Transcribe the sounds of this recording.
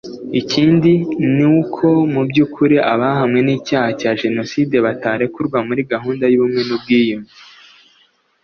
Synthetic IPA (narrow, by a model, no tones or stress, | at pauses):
iciːndiniwukʰo̞mubɟuːkʰuɾiʔaβaɦamŋe̞niːcaːhacaʒe̞no̞siːde̞βataːɾe̞kuɾɡwamuɾiɡaɦuːndajuβumŋe̞nub̚ɡiːjumi